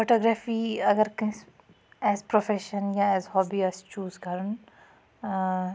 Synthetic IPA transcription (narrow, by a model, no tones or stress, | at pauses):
foʈɔːɡɾaːfiːɐɡəɾkɐ̃s | ɛːzpɾofɛʃənjaɛːzɦɔːbiɛst͡ʃuːzkɐɾən